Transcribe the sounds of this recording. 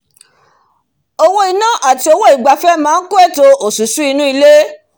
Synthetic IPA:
o˧wo˦i˧nã˦ʔa˨ti˧o˧wo˦i˨ɡ͡ba˨fɛ˦mãː˦n̩˦ko˦ɛ˦˨to˧o˨su˨˦su˨˦i˧nũ˦i˧le˦

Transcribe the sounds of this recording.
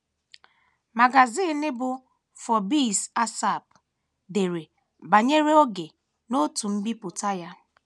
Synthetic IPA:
ma˨ɡa˨ziː˦˨nɪ˦bʊ˨ | fɔ˨bi˦˨sa˦sa˦˨p | de˨ɾe˨ | ba˨ɲe˦ɾe˦o˦ɡe˨ | no˦tu˨m̩˦bi˦pʊ˨ta˦ja˦

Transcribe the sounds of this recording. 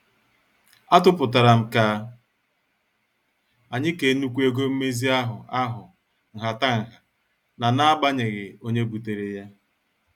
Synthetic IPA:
a˦tʊ˦pʊ˨ta˨ɾa˨m̩˨ka˨ | a˨ɲɪ˦ke˨˦nu˦kʷu˦e˦ɡo˦m̩˦me˦zi˦a˦ɦʊ˨a˦ɦʊ˨ | ŋ̩˨ɦa˨ta˦ŋ̩˨ɦa˨ | na˨na˦a˦ba˦ɲe˨ɣɪ˨o˦ɲe˦bu˨te˨ɾe˨ja˦

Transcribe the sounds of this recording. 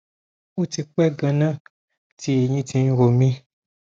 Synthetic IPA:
u˦ti˧k͡pɛ˦ɡã˧nã˦ | ti˧˦e˨ɲĩ˦tʰĩ˧˦ɾo˨mĩ˦

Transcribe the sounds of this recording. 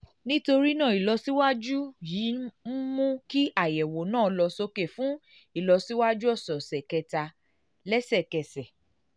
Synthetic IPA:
nĩ˦to˧ɾi˦nã˦˨i˨lɔ˧si˦wa˦d͡ʒu˦jiː˨˦m̩˦mũ˦ki˦a˦˨jɛ˨wo˨nã˦˨˧lɔ˧so˧ke˨fũ˦ | i˦˨lɔ˧si˦wa˦d͡ʒu˦ɔ˦˨sɔ˨sɛ˨kɛ˧ta˧ | lɛ˦sɛ˦˨kɛ˨sɛ˨

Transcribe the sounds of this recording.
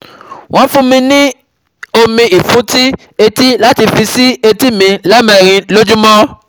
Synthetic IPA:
w̃ɔ̃˨˦fũ˦mĩ˧nĩ˦ | o˧mĩ˧i˨fũ˨˦ti˦ | e˧ti˦la˦ti˧fi˧si˦e˧ti˦mĩ˧la˦mɛ˧˨ɾ̃ĩ˧lo˦d͡ʒu˦mɔ̃˦

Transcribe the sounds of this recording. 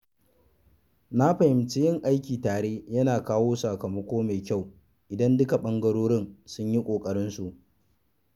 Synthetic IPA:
na˦ɸɐ˨hɪ˨mt͡ʃe˦jɪ˦˨ŋʔa˦jkʲiː˨taː˨ɽeː˦jɐ˦naː˨kaː˦woː˦su˨kɐ˨mɐ˦kʷoː˦me˨kʲa˦˨w | ʔɪ˨dɐ˦ndʊ˦ka˨ɓɐ˦ŋɡɐ˦ɽoː˦ɽɪ˦nsʊ˦ɲji˦kʷʼoː˨kʼɐ˨ɽɪ˦nsu˨ʔ

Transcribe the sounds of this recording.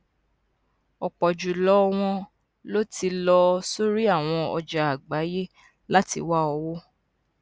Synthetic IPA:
ɔ˨k͡pɔ˨d͡ʒu˨lɔ˨˦˧w̃ɔ̃˧ | lo˦ti˧lɔ˧so˦ɾi˦a˦˨w̃ɔ̃˧ɔ̰˧d͡ʒa˨a˨ɡ͡ba˨˦je˦ | la˦tḭ˧wa˦ɔ˧wo˦

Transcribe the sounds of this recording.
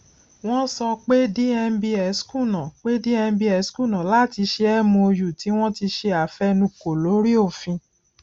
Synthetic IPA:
w̃ɔ̃˦sɔ˧k͡pe˦di˦ɛ˧n̩˦bi˧ɛ˨˦skũ˦˨nã˨k͡pe˦di˦ɛ˧n̩˦bi˧ɛ˨˦skũ˦˨nã˨la˦˨ti˧ʃe˧ɛ˦mũ˧o˧ju˨ti˨˦w̃ɔ̃˦ti˧ʃe˧a˨fɛ˦nũ˧˦ko˨lo˨˦ɾi˦o˦˨fĩ˧

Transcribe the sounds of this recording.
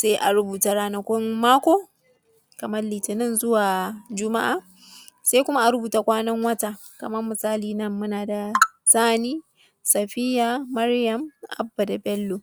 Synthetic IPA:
se˦ʔa˨ɽʊ˦buː˨ta˦ɽaː˦nɐ˨kʷɔ˦mːaː˦kʷoː˦ | kɐ˨mɐ˦rliː˨tɪ˨nɪ˦nzʊ˦waː˨d͡ʒʊ˦ma˦ʔaː˨ | se˦kʷʊ˦ma˦ʔa˨ɽʊ˦buː˨ta˦kʷaː˦nɐ˦ŋwɐ˦ta˨ | kɐ˨mɐ˦rmʊ˨saː˦liː˨nɐ˦mːʊ˦naː˨da˨saː˦niː˦ | sɐ˨ɸɪ˦jaː˨ɐ˦ɽjɐ˦mʔa̰˦bːa˨da˨bɛ˦lːo˨

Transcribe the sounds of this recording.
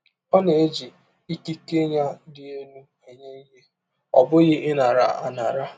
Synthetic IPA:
pa˦ne˨e˦d͡ʒi˨ | i˦ki˦ke˦ɲa˦dɪ˦e˦nu˦ | e˨ɲe˦i˦ɦe˦ | ɔ̰˨bʊ˦ɣɪ˦ʔɪ˦na˨ɾa̰˨a̰˨na˨ɾa˦

